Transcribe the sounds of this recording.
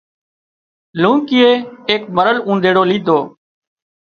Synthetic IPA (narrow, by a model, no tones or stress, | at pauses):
lũːkɪːeːeːkməɾəlũːnd̪ʱeːɽoːliːd̪ʱoː